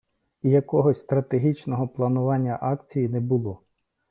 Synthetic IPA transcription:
ijɐkɔɦɔsʲst̪ɾɐt̪eɦʲit͡ʃnɔɦɔplˠɐnʊʋɑnʲːɐʔɑkt͡sʲijinɛbʊlˠɔ

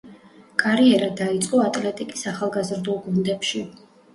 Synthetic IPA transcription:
kʼaɾiɛɾad̪ait̪sʼqʼɔat̪ʼlɛt̪ʼikʼisaχalˠɡazɾd̪ulˠɡund̪ɛpʃi

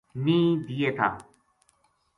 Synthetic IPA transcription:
mĩːd̪ijeːt̪ʰa̰ː

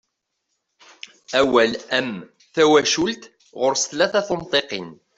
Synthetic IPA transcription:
æwælæm | θæwæʃʊlt̪ | ʁʊɾsəθlæθæθənt̪ˤeqin

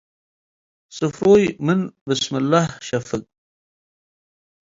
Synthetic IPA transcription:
sufɾoːjmɪnbɪsmɪlːahʃafɪk̚

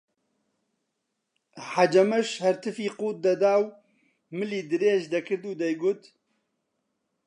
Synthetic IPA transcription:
ħad͡ʒɐmɐʃhɐɾt̪ʰɨfiːquːt̪̚d̪ɐd̪aːw | mɨliːd̪ɨɾeːʒd̪ɐkʰɨɾd̪uːd̪ɐjɡʊt̪

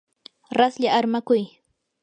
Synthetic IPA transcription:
ɾasʎaaɾmakʊj

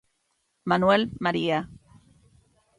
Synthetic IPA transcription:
manwelmaɾia

